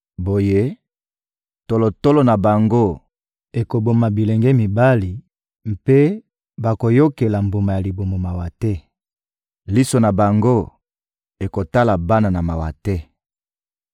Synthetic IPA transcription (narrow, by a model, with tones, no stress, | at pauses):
bo˨je˦ | to˨lo˨to˦lo˨na˨ba˨ŋɡo˦ | e˨ko˨bo˨ma˨bi˨lɛ˨ŋɡɛ˦mi˨ba˦li˨ | m˦pe˦ | ba˨ko˨jo˦ke˨la˨mbo˨ma˨ja˨li˨bo˨mo˨ma˨wa˨tɛ˦ | li˦so˨na˨ba˨ŋɡo˦ | e˨ko˨ta˦la˨ba˦na˨na˨ma˨wa˨tɛ˦